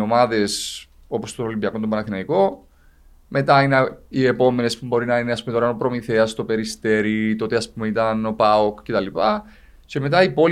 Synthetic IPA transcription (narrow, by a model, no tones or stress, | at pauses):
o̞mɐðe̞s | o̞po̞st̪oɾolimbiɐkont̪obɐnɐθinɐiko̞ | me̞t̪ɐineie̞po̞me̞nespumbo̞ɾinɐineɐspumeoɾɐnopɾo̞miθe̞ɐst̪o̞pe̞ɾist̪e̞ɾit̪o̞t̪eɐspumeit̪ɐno̞pɐokce̞t̪ɐlipɐ | ce̞me̞t̪ɐipo̞